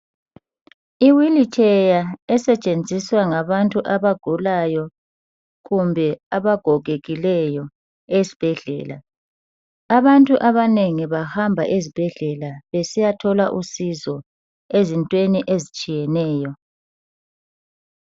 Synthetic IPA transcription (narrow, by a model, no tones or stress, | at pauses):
iwilitʰʼɛjaɛsɛt͡ʃʼend͡zʱiswaŋaβantʼuʔaβaɡ̥ʱulajɔ | ɣumbʱɛaβaɡ̥ʱɔɣeɣilɛjɔ | ezi̥b̥ʱɛɮɛ̰ːla̰ | aβantʼuʔaβaneŋiβahambʱaʔezib̥ʱɛɮɛlaβesijatʰɔlaʔusizɔ | ezintʼweniʔezit͡ʃʼijɛnɛːjɔ